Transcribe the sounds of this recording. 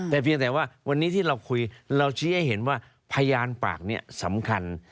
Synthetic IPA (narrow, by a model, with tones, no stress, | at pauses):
t̪ɛː˨˩pʰi˧əŋt̪ɛː˨˩waː˥˩wa˧nːiː˦˥t̪ʰiː˥˩ɾa˧wkʰu˧jɾa˧wt͡ɕʰiː˦˥ha˥˩jɦe˩˦nwaː˥˩ | pʰa˧jaː˧npa̰ː˨˩k̚ni˦˥˩ɐsa˩˦mkʰa˧n